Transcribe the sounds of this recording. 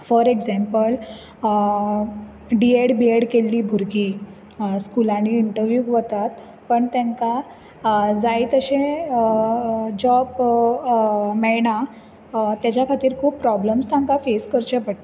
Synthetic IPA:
fɔɾeɡd͡zɛ̃mpəl | ɖieɽbieɽkelːiːbʱuɾkiː | skulãniːɳʈəɾʋjukʋət̪at̪ | pəɳt̪ɛ̃ŋka | d͡zait̪əɕẽ | d͡ʑɔb | mɛɭɳa | t̪jat͡ɕjakʰat̪iːɾkʰuːpːɾɔbləmst̪ʰãŋkafeskəɾt͡ɕəpəɽt̪

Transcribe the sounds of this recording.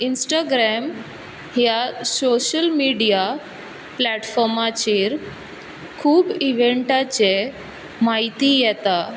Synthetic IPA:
insʈaɡɾɛm | ɦjasoɕəlmiɖija | plɛʈfɔɾmat͡ɕiːɾ | kʰuːbiʋeɳʈat͡ɕe | maɦit̪ijɛt̪a

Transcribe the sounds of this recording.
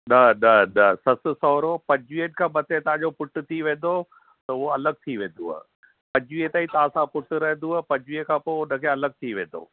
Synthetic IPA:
ɗɐɗɐnɐsɐsʊ̆sɔːɾopɐ̃d͡ʑʋienkʰãːbɐt̪ʰet̪ɐɦãd͡ʑopʊʈʊ̆t̪ʰiʋẽːn̆d̪o | t̪ɐʊɦoɐləɡ̚t̪ʰiʋẽːn̆d̪ua̰ | pɐ̃d͡ʑʋiet̪aːit̪ɐaːsãpʊʈʊɾɐɦɪ̃nd̪uapɐd͡ʑʋiekʰãːpoeʊnəkʰeɐləɡ̚t̪ʰiʋẽːn̆d̪o̰ː

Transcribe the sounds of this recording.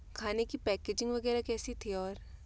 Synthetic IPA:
kʰaːnekipɛːkeːd͡ʒɪ̃ŋɡʋɐɡɛːɾakɛːsit̪ʰiɔːɾ

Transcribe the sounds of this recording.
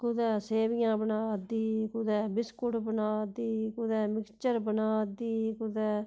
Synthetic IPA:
kʊd̪ɛːseːbɪjãːbənaːd̪iːkʊd̪ɛːbɪskʊʈbənaːd̪iːkʊd̪ɛːmɪkst͡ʃəɾbənaːd̪iːkʊd̪ɛː

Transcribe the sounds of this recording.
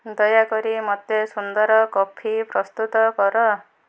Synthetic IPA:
d̪ɔjakɔɾimɔt̪esund̪ɔɾɔkɔpʰipɾɔst̪ut̪ɔkɔɾɔ

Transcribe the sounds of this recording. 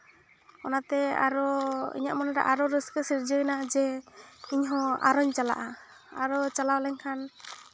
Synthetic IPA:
ɔnat̪ɛa̰ɾɔḭɲa̰ʔmɔnaɾa̰ʔaɾɔɾəskəsiɾd͡ʒɔnad͡ʒɛiɲɦɔ̃a̰ɾɔɲt͡ʃala̰ʔa | aɾɔt͡ʃalawlɛɲkʰan

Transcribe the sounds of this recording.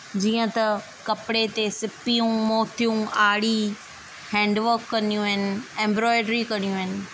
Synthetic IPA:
d͡ʑiːə̃t̪ɐ | kɐpɪɽet̪esɪpijũmoːt̪ʰijũaːɽi | hɛ̃ːɳɖʋəɾkːɐnijũɪnɪ̆ɛ̃ːmbɾɔːɪɖɾikɐɽ̃ijũɪnɪ̆

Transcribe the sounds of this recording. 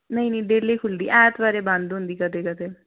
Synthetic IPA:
nəĩːnĩːɖeːliːkʰʊld̪ḭːʔɛːʈbaːɾeːbə̃nd̪ɦʊ̃nd̪iːkət̪eːkət̪eː

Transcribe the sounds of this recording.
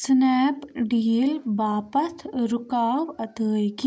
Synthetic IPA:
snɛːpɖiːlʋaːpəsɾʊkaːʋɐt̪əːjki

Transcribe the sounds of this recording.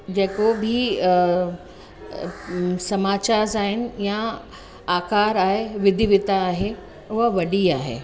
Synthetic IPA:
d͡ʑeːkobʱi | sɐmaːt͡ɕaːzaːɦɪnɪ̆jã | aːkaːɾaːɦeʋɪd̪ʱiʋɪt̪aːɦe | ʊɦəʋɐɗiaːɦḛː

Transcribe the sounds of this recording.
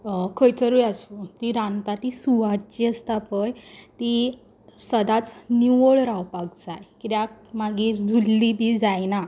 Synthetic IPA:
kʰəjt͡səɾujasut̪iɾãnt̪at̪isuʋad̪̚t͡ɕest̪apəjt̪i | səd̪at͡sniʋoɭɾawpaɡd͡zajkiɾjakmaɡiːɾd͡zulːibiːd͡zajna

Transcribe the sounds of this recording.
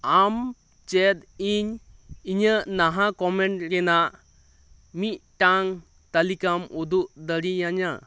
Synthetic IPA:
am | t͡ʃɛt̪̚iɲiɲəʔnaɦakɔmɛɳʈkɛnaʔ | mit̪̚ˀʈaŋ | t̪alikamud̪uʔd̪əɾijaɲa

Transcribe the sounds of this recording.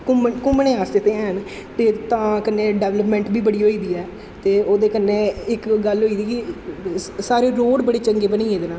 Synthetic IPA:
kʊmkʊmnẽːɦaːst̪et̪eːɛ̃ːɦən | t̪eːt̪ãːkənːẽːɖɛːʋləpmɛ̃ːɳʈbiːbəɽiːɦoːiːd̪iːɛː | t̪eːoːd̪eːkənːeːɪkɡəlɦoːiːd̪iːki | saːɾeːɾoːɖbəɽeːt͡ʃəŋɡeːbəniːẽːd̪eːnãː

